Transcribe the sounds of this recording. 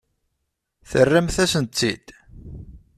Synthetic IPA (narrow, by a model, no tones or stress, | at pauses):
θərːæmθæsənt͡sːḭd̪̥